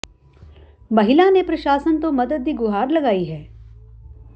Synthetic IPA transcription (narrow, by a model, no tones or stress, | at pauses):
bɐɦɪlanepɾɐʃaːsənt̪õmɐd̪əd̪̚ːiɡʊɦaːɾlɐɡaːiɦɛː